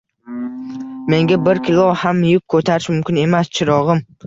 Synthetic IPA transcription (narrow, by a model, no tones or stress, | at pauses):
me̞ŋɡʲabɪɾkʲɪlˠohamjʊp̚kʰɵt̪ʰaɾɪʃmʊmkʲɪne̞mast͡ʃʰɪɾɒʁɨm